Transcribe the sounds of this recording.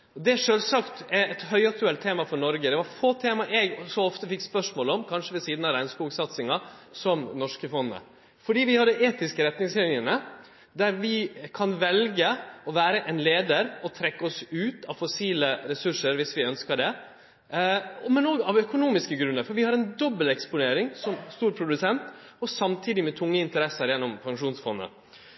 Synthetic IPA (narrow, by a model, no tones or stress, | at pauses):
ɔd̪ɛʂøːlsɑkt̪ɛɛt̪hœʏɑk̚t̪ʉɛlt̪ʰːeːmɑfɔɳɔɾɡəd̪ɛʋɑɾfoːt̪ʰeːmɑʔɛɡsɔɔft̪əfɪkːspœʂmoːlɔmkʰɑnʂəʋɛsiːd̪nɑʋɾæɪnskuːɡsɑt̪sɪŋɑ | sɔmnɔʂkəfɔnːə̰ | fɔɖiːʋɪhɑd̪əʔeːt̪ɪskəɾɛt̪nɪŋslɪnjənə | d̪æɾʋɪkʰɑnʋɛlɡəɔʋæːɾəʔɛnleːd̪əɾɔt̪ʰɾɛkːəɔsʉːt̪ɑʋfɔsiːləɾɛsʉʂəɾʋɪsʋɪœnskəɖɛ | mɛnoːɡɑʋœkʊnuːmɪskəɡɾʉnːəɾfɔɾʋɪhɑɾɛnd̪ɔbːəlɛkspʊneːɾɪŋsɔmst̪uːɾpʰɾʊd̪ʉsɛnt̪ɔsɑmt̪ʰiːd̪ɪmɛt̪ʰʊŋːəɪnt̪əɾɛsəɾjɛnːɔmpʰɑŋʂuːnsfɔnːə̰